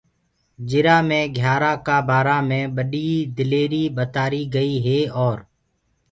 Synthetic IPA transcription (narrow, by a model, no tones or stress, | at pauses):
d͡ʒɪɾãːmẽːɡʱjaːɾaːkaːbaːɾaːmẽːɓəɗiːd̪ɪleːɾiːɓət̪aːɾiːɡəiːɦeːɔːɾ